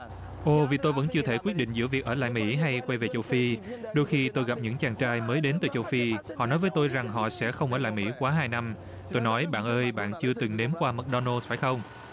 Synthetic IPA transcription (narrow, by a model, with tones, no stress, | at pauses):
ʔo˧˩vi˨˩t̪o˧jvə̰˧˥nt͡ɕɨ˧ət̪ʰe˧˩kwi˦˥t̚ɗḭ̈˧˨ŋ̟zɨ̰˧˥əvi˨˩ək̚ʔəː˧˩la̰ː˧˨jmḭ˧˥ɦa˧jkwa˧jve˨˩t͡ɕə˧wfi˧ɗo˧jxi˧t̪o˧jɣa˨˩p̚ɲɨ̰˧˥ŋt͡ɕaː˨˩ŋt͡ɕaː˧jməː˨˦jɗe˨˦nt̪ɨ̰˧˨˩t͡ɕə˧wfi˧hɔ̰˧˨nɔ˨˦jvəː˨˦jt̪o˧jza˨˩ŋɦɔ̰˧˨sɛ̰˧˥xə˧wŋ͡mʔəː˧˩la̰ː˧˨jmḭ˧˥kwaː˨˦ɦaː˧jna˧m | t̪o˧jnɔ˨˦jɓa̰ː˧˨nʔəː˧jɓa̰ː˧˨nt͡ɕɨ˧ət̪ɨ˨˩ŋne˨˦mkwaː˧mə˨˩ɗɔ˧nə˧sfaː˧˩jxə˧wŋ͡m